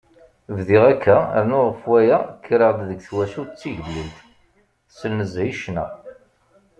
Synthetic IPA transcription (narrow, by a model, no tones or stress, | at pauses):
vðiʁækʰːææ̰nʊʁˤəfwæjækːɾəʁd̪ðəɡθwæʃut͡sːiʝəlːilt̪ | səlnəzʕiʃnæ̰